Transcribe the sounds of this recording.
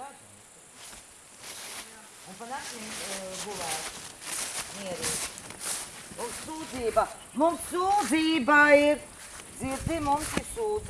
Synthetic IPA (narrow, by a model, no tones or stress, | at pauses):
a | ũnpaɡasinbuvæːt | miɛɾiːt̪ | mumssuːd̪ziːba | mumsːuːd̪ziːbaiɾ | ziɾzimumsiɾsuːz